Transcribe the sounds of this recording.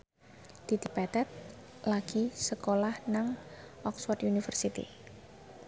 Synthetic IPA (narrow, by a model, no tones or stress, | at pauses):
d̪̥id̪̥i̤bad̪̥at̪̚ | laɡ̥isəkolahnaŋʔɔkswɔrt̪unifərsit̪ḭ